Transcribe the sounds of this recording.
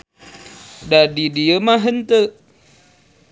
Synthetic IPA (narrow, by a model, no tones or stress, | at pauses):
dadidiəmaɦənt̪əʔ